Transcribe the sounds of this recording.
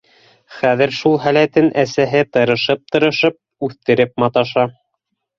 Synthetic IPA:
χæðɘɾʃulˠɦælæt̪ɘnʔæsæɦɘt̪ɤ̆ɾɤ̆ʃɤp̚t̪ɤ̆ɾɤ̆ʃɤp̚ʉθt̪ɘ̆ɾɘp̚mɑt̪ɑʃɑ

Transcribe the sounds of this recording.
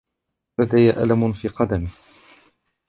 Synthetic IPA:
lad̪ajaʔa̰lamʊnfiːqɑd̪amɪh

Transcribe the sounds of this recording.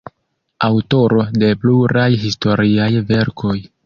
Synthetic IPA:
awto̞ɾo̞de̞pluɾajɦisto̞ɾiajve̞ɾkʰo̞j

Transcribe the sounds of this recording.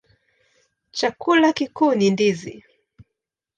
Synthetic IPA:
t͡ʃakulakikuːnindizḭ

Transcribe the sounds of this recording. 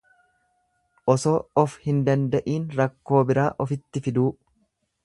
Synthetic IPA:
ʔɔsoːɔfhɪnd̪ɐnd̪ɐʔiːnɾɐkːo̞ːbɪɾaːʔɔfɪt̪ːɪfɪd̪uː

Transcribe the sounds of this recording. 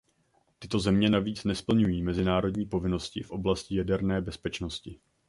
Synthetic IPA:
t̪ɪt̪o̞zɛmɲɛnaviːt͡snɛspl̩ɲujiːmɛzɪnaːɾo̞dɲiːpo̞vɪno̞scɪfʔo̞blascɪjadɛɾnɛːbɛspɛt͡ʃno̞scɪ

